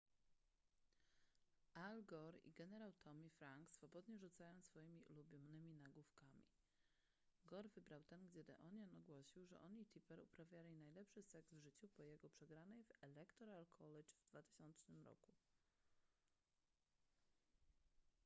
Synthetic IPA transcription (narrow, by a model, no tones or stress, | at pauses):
alɡɔɾḭɡɛnɛɾawt̪ʰɔmʲifɾaŋksfɔbɔd̪ɲɛʐut̪sajɔ̃w̃sfɔjimʲiʔṵlubʲjɔnɘmʲinaɡufkamʲḭ | ɡɔɾvɘbɾawt̪ɛnɡd͡ʑɛd̪ɛ̰ʔɔnjɔnɔɡwɔɕiwʐɛ̰ʔɔɲit̪ʲʰipɛɾupɾavʲjalʲinajlɛpʂɘsɛɡzvʐɘt͡ɕupɔjɛɡɔpʂɛɡɾanɛjvɛlɛkt̪ɔɾalkʰɔlɛt͡ʂvd̪vat̪ɘ̥ɕɔnt͡ʂnɘmɾɔ̰ku